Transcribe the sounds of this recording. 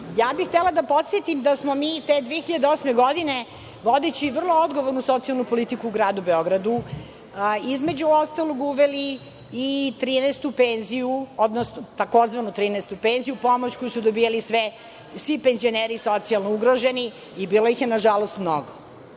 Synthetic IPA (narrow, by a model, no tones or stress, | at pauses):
jaːbixt̪elad̪apot̪sjet̪imd̪asmomiːt̪eːd̪ʋeːxiʎad̪eosmeɡod̪ine | ʋod̪et͡ɕiʋr̩lˠood̪ɡoʋoɾnusot̪ijalˠnupolit̪ikuːɡɾaːd̪ubeoɡɾad̪u | izmed͡ʑuost̪alˠoɡuʋeliː | t̪ɾiːnɛst̪upeːnzijuod̪nosnot̪ako̞zʋanut̪ɾiːnɛst̪upenzijupomot͡ɕkojusud̪obijalisʋɛ | sʋipenzio̞neɾisot̪sialˠnouɡɾoʒeniː | bilˠojixjenaʒalost̪mno̰ɡo